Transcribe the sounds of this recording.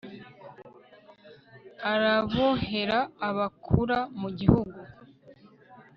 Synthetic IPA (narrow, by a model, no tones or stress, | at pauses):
aɾaβohe̞ɾaːβakʰuɾamuɟihuɡu